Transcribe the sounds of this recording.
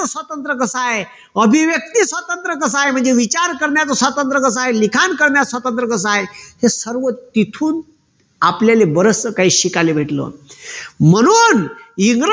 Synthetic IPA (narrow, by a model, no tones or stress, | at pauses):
əsʋat̪ənt̪ɾəkəsaɦe | əbʱiʋjək̚t̪iːsʋat̪ənt̪ɾəkəsaaɦem̤əɳd͡zeʋit͡ɕaɾkəɾɳjat͡səsʋat̪ənt̪ɾəkəs̬aɦelikʰankəɾɳjasʋat̪ənt̪ɾəkəs̬aaɦehesəɾʋət̪it̪ʰuːn | apljalebəɾəsəkaɦiːɕikalebʱeʈlə̰ | m̤əɽ̃uːniŋɡɾ